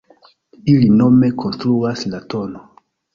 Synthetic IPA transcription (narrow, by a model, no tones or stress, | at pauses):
ilino̞me̞kʰo̞nstɾuaslato̞no